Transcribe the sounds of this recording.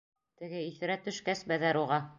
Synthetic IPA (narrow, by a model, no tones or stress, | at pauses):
t̪ɘ̆ɡɘiθɘ̆ɾæt̪ɵ̆ʃkæsbæðæɾuʁɑ